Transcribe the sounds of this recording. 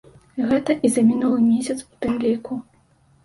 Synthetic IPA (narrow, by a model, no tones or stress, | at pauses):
ɣɛt̪ɐʔizɐmʲinulˠɨmʲesʲɐt̪su̥t̪ɨmlʲiku